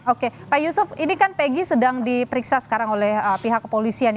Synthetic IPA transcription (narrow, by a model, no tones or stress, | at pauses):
okepaijusʊfinikanpeɡisədaŋdipəɾiksasə̥kaɾaŋolɛhəpiɦakːə̥polisian